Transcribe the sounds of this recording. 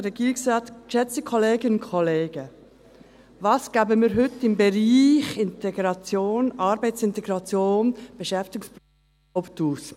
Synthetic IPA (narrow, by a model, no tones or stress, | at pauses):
ɾɛɡ̥iːɾɪksʁaːtkʃɛt͡stəkʰɔleːɡənʊnkʰɔleːɡ̥ə | vɑːsɡ̥æːbəmiːɾɦʏtːɪmbɛɾiːχɪntɛɡɾɑt͡sjoːnʔɑːɾbɛɪt͡sɪnt̪ɛɡɾɑt͡sjoːnb̥ɛʃɛft̪ɪɡʊŋsp | ptuːs